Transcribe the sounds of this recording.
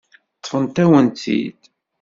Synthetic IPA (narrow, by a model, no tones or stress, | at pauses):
t̪ˤːəfənt̪æwənt̪ḭd̪